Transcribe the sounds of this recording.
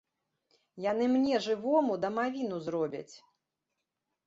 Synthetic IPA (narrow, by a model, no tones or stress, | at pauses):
janɨmnʲɛʐɨvɔmud̪ɐmavʲin̪uzrɔbʲɐ̰t͡sʲ